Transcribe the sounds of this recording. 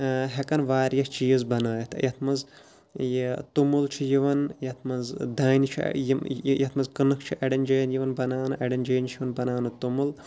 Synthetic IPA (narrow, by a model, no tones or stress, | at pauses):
ɦekɐnʋaːɾjɐht͡ʃijzbɐnɐːjɐt̪ʰjɐt̪ʰmɐz | jt̪umult͡ʃʰijiʋɐnjɐt̪ʰmɐnzd̪aːnit͡ʃʰḭjijɐt̪ʰmɐzkɨnɨkʰt͡ʃʰiʔɐɖɐnd͡ʒɐjnjiʋɐnbɐnaːnɨʔɐɖɐnd͡ʒɐːjnt͡ʃʰiʋɐnbɐnaːnɨt̪umul